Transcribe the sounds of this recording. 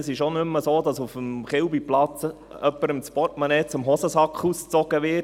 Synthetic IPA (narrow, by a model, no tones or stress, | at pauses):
əsɪʃonʏmːəsoːdɑsufəmχɪwbiplɑt͡s | œpːəɾəmt͡spɔtmɑnɛːt͡sʊmɦɔsəsɑkχust͡sɔɡ̥əʋɪt